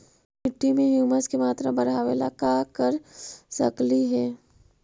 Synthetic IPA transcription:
mɪʈːimẽɦjuːməskemaːt̪ɾabɐɾɦaːʋḛːlakaːkəɾsɐkliɦɛː

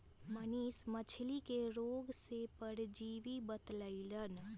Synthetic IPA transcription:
məniːsmət͡ʃʰlikeɾoːɡsepəɽd͡ʒiːʋibət̪ləilən

